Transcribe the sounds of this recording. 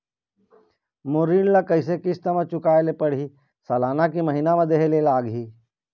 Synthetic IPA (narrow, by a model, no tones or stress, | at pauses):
moːɾiːnlakəɪs̬ekɪst̪əmãt͡ʃʊkaːelepəɽ̤i | sɐlaːnakiməɦinamə̃d̪eɦelelaːɡɦiː